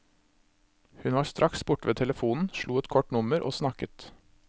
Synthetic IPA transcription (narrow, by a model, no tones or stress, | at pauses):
hʉnʋɑːst̪ɾʔɑksbʊʈʋeːt̪ʰɛləfuːnn̩ʃɭuːɛt̪kʰɔʈnʊməɾʔo̰ːsnɑkət̪